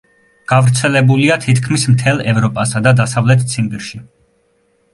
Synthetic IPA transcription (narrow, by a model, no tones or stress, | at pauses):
ɡ̥avɾt̪sʰɛlɛbuliat̪ʰit̪kʰmismt̪ʰɛlˠɛvɾɔpʼasad̪ad̪asavlɛt̪ʰt̪sʰimbiɾʃi